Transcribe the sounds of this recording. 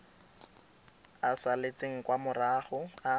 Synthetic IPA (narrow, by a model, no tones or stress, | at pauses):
asalet͡sʼeŋ̩kwamʊraχʊa